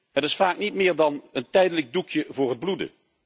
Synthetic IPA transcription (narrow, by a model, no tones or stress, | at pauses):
ɦətɪsfaːknitmɪːɹdɑnəntɛjdələɡ̚dukʰjəvʊːɹɦəd̚bludə̰